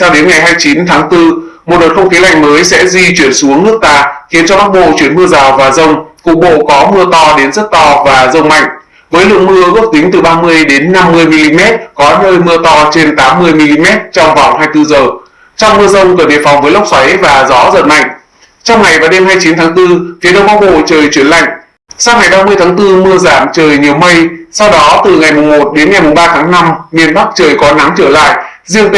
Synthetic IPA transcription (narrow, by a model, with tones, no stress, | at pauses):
sa˧wɗe˨˦nŋa˨˩jɦaː˧jt͡ɕi˨˦nt̪ʰaː˨˦ŋt̪ɨ˧mo˨˩t̚ɗo˨˩t̚xʰə˧wŋ͡mxi˨˦la̰˧˩jŋ̟məː˨˦jsɛ̰˧˥zi˧t͡ɕwi˧˩ənsu˨˦əŋnɨ˦˥ək̚t̪aː˨˩xi˨˦ənt͡ɕɔ˧ka˦˥k̚ɓo̰˧˨t͡ɕwi˧˩ənmɨ˧əzaː˨˩wvaː˨˩zə˧wŋ͡mku˨˩ɓo̰˧˨kɔ˨˦mɨ˧ət̪ɔ˧ɗe˨˦nzə˦˥t̚t̪ɔ˧vaː˨˩zə˧wŋ͡mma̰˧˨jŋ̟ | vəː˨˦jlɨ̰˧˨ŋmɨ˧əɣə˦˥əp̚t̪ï˨˦ŋ̟t̪ɨ˨˩ɓaː˧mɨ˧əjɗe˨˦nːa˧mːɨ˧əjmi˧li˧mɛ˦˥t̚kɔ˨˦nəː˧jmɨ˧ət̪ɔ˧t͡ɕe˧nt̪aː˨˦mːɨ˧əjmi˧li˧mɛ˦˥t̚t͡ɕɔ˧wŋ͡mva˨˩whaː˧jt̪ɨ˧zəː˨˩ | t͡ɕɔ˧wŋ͡mmɨ˧əzə˧wŋ͡mkə˧˩ɗḭ˨˩əfɔ˨˩wŋ͡mvəː˨˦jla˦˥wk͡p̚swa˨˦jvaː˨˩zɔ̰˨˦zə̰˧˨˩nːa˧˩jŋ̟ | t͡ɕɔ˧wŋ͡mŋa˨˩jvaː˨˩wɗe˧mɦaː˧jt͡ɕi˨˦nt̪ʰaː˨˦ŋt̪ɨ˧fi˨˦ɗə˧˩wŋ͡mkɔ˨˦wɓo̰˧˨t͡ɕəː˨˩jt͡ɕwi˧˩ənla̰˧˨jŋ̟ | saː˧wŋ͡mŋa˨˩jɓaː˧mɨ˧əjt̪ʰaː˨˦ŋt̪ɨ˧mɨ˧əzaː˧˩mt͡ɕəː˨˩jɲi˨˩əwmə˧jsa˧wɗɔ˨˦t̪ɨ˨˩ŋa˨˩jmʊ˨˩ŋ͡mmo˨˩t̚ɗe˨˦nŋa˨˩jmʊ˨˩ŋ͡mɓaː˧t̪ʰaː˨˦ŋna˧mmi˧ənɓa˦˥k̚t͡ɕəː˨˩jkɔ˨˦na˨˦ŋt͡ɕəː˧˩la̰ː˧˨jʔzi˧əŋt̪